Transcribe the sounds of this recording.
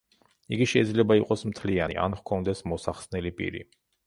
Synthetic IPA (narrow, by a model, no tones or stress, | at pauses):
iɡiʃɛid̪zlɛbaiqʼɔsmt̪ʰlianḭʔa̰nχkʰɔnd̪ɛsmɔsaχsnɛlipʼḭɾḭ